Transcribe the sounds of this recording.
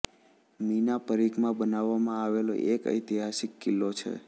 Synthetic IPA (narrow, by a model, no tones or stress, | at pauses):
minapəɾikmãbənaʋːamãaʋelo̰ʔekə̰jt̪iɦasikːilːot͡ʃʰḛ